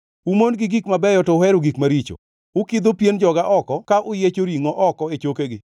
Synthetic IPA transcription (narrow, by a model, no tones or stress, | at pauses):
umonɡɪɡikmabɛjɔtɔhɛɾoɡikmaɾit͡ʃo̰ | ʊkid̪opjend͡ʒɔɡaʔɔkɔkaʔʊjet͡ʃoɾiŋɔʔɔkɔet͡ʃokeɡɪ